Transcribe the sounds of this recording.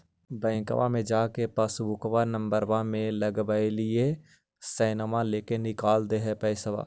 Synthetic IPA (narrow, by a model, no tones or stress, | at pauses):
bɛ̃ːɪ̃kə̰ʋa̰mẽd͡ʒaːkepɐsbʊkʋanə̃mbəɾʋãmẽlɐɡbəelɪe | sɛːnəmãleːkenɪkaːld̪eɦɛpɛɪsəʋa̰ː